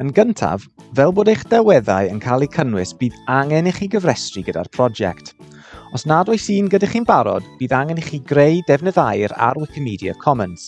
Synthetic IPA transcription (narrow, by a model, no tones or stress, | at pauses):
ənɡəntʰa̰v | vɛlˠboːdejχd̥ɛwɛða̰ɨənkʰalˠikʰənwɪsb̥iːðaŋɛniχiːɡəvrɛstriɡəda̰rpʰr̥ɔd͡ʒɛ̰ktʰ | ɔsnadɔjsiːnɡədaχiːnbaɾɔ̰db̥iːðaŋɛniχiːɡrejdɛvnəðajɾa̰ɾɪkʰəmiːdiə̰kʰɔməns